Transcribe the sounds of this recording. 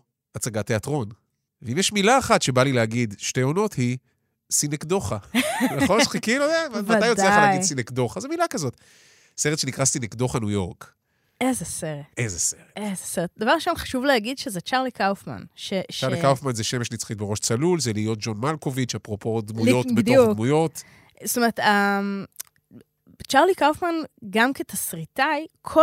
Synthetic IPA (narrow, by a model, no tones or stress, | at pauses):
at͡saɡat̪e̞atʁo̞n | veimjɛʃmilaːχat̪ʃe̞balileaɡid̪ʃte̞jo̞no̞thi | sinekd̪o̞χanaχonχikiludaamaajoealaɡidsinekdo̞χazemilakazo̞t̪ | seʁet̪ʃenikʁasinekd̪o̞χanujo̞ʁk | ezeseʁetezeseʁeezeseʁet̚d̪ɐvaʁlʃonχḁʃuvleaɡidʃezet͡ʃaʁlikawfma̰nʃeʃaʁllikawfmanzeʃemeʃnit͡sχit̚beo̞ʃt͡salulzeliːjo̞t̚d͡ʒo̞nmalkovit͡ʃapʁo̞po̞d̪mujo̞ted̪omujo̞t | st̪omeʁt̪a | t͡ʃaʁlikawfmanɡamket̪asʁit̪ajkʰo